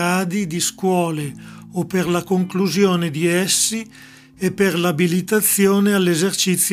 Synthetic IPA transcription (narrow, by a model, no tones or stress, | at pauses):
aːd̪id̪iskwɔːle | opːerlakoŋkluzjoːned̪iɛsːi | epːerlabilit̪at̪sːjoːnealːezert͡ʃit̪sːj